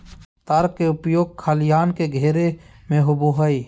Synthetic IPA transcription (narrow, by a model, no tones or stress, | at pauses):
t̪aɾkeʊpjoːɡ̚kʰaːlɪjaːnkeɡʱeːɾe | mẽɦʊboɦəi